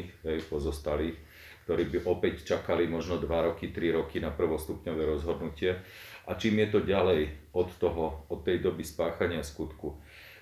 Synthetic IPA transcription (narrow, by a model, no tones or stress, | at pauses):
xɦɛjpɔzɔst̪aliːx | kt̪ɔɾiːbiʔɔpɛct͡ʃakalimɔʒnɔd̪ʋaɾɔkit̪ɾiɾɔkinapr̩ʋɔst̪upɲɔʋɛːɾɔzɦɔd̪nucɪɛʔat͡ʃiːmjɛt̪ɔɟalɛjɔt̪ːɔɦɔɔt̪ːɛjd̪ɔbispaːxaɲɪaskut̪ku